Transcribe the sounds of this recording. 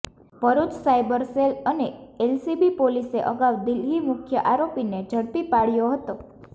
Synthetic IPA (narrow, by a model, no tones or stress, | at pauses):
pəɾut͡ʃsajbəɾseləneelsibipoliseʔəɡawd̪ilimʊkʰjəʔaɾopined͡ʒʱəɽpipaɽjoɦət̪o